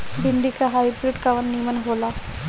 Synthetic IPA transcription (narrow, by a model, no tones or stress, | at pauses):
bʱiɳɖikaɦajbɾiɖkaʋənːimənɦola